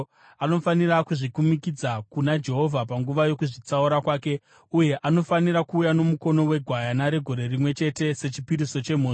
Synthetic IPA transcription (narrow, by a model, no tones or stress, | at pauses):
ano̞fanirakuʐikumikid͡zakunad͡ʒe̞ɦo̞vʱapaŋɡuʋajo̞kuʐit͡sauɾakwaːke̞ | uje̞ʔano̞faniɾakuːjano̞muko̞no̞we̞ɡʱwajanaɾe̞ɡʱo̞ɾe̞rimwe̞t͡ʃe̞te̞se̞t͡ʃipiɾiso̞t͡ʃe̞m̤oː